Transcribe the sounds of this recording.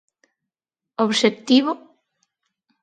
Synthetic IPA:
oβʃekt̪iβʊ

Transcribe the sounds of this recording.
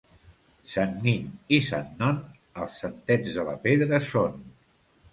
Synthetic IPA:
sanːiɲisanːɔn | əlˠsːənt̪ɛd͡zðələpeðɾəson

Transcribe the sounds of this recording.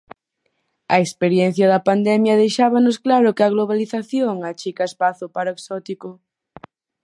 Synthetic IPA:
ɐ̰ekspeɾjɛnθjɐðɐpand̪ɛmjɐðejʃaβanʊsklaɾʊkɪɐɣloβaliθaθjoŋat͡ʃikaespaθʊpaɾoksɔt̪ikʊ

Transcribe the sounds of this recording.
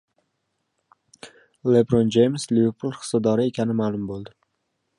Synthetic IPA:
lebɾond͡ʒejmsliveɾpʰulˠχɨ̥sɒd̪ɒɾɪe̞kʲʰanɪmaːlˠʊmbolˠd̪ɪ

